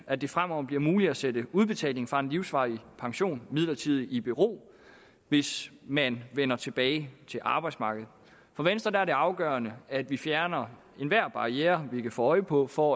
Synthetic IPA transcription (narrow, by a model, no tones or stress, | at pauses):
æd̥e̝fʁamɒʊ̰b̥liɐmuːliæsedəuð̞ˠb̥e̝t͡sʰɛ̰ːle̝ŋfʁɑ̈e̝nliʊsʋɑ̰̈ipʰɑ̈ŋɕo̝̰ːnmið̞̰ˠlɐt͡sʰið̞̰ˠib̥iʁo̝̰ː | ʋe̝smænʋenɐt͡sʰe̝b̥ɛːɪt͡sʰe̝lʔɑ̈ːb̥ɑ̈ɪ̥smɑ̈ːɡ̥əð̩ˠ | fɒ̽ʋensd̥ʁɐd̥ææɐd̥e̝ɑ̈ʊɡ̥ɶːɐnəæd̥ʋifjæɐnɐ | e̝nʋæɐ̰b̥ɑ̈ieːɐʋikʰæfɔːɒ̽ɪpʰɒ̽fɒ̽